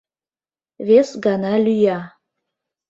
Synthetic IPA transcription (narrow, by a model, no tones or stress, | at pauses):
vesɡanalʲyja